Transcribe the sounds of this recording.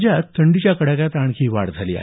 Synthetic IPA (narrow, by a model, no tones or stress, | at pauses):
d͡ʑjat̪ʰːəɳɖit͡ɕjakəɽakat̪aɳ̃kʰiːʋa̰ɽd͡zʱalḭːa̰ɦ